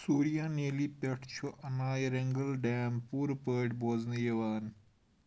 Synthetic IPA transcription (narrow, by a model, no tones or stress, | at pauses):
suːɾijãːneːlipeʈʰt͡ʃʰoʔɐnaːjɾeŋɡɐlɖɛːmpuːɾpəːʈboːznijeʋaːn